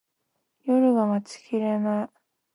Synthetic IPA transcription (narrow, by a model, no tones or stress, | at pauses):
joɾɯ̟ɡamat͡sɨ̥kʲiɾena